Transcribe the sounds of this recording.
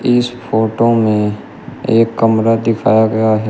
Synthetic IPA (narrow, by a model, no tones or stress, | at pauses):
ɪspoːʈomẽ | eːkːɐmɾad̪ɪkʰaːjaɡɐjaɦɛ